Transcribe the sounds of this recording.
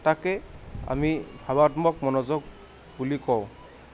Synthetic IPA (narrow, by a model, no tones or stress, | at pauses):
takɛa̰mibʱabatmɔk̚mɔnɔzɔk̚ | bulikɔw̃